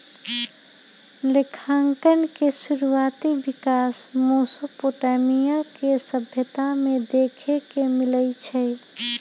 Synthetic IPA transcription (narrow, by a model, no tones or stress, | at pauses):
lekʰaŋkənkesuɾuat̪ibikasmosopoʈamijakesəbʱjət̪amẽd̪ekʰekemilət͡ʃʰɛ